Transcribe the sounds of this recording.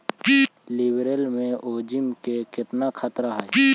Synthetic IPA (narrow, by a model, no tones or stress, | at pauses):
lɪbɾəlmẽʔoːd͡ʒɪmkekɪt̪nakʰɐt̪ɾaɦɛː